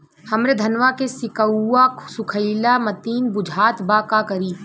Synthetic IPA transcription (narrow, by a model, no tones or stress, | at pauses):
hɐmɾed̪ʱɐnʋakesɪkəwːaksʊkʰəɪlamɐt̪iːnbʊd͡ʒʱaːt̪bakakɐɾiː